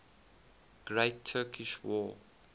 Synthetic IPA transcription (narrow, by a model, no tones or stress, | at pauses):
ɡ̥ɹeɪtʰːɜːkʰiʃwɔː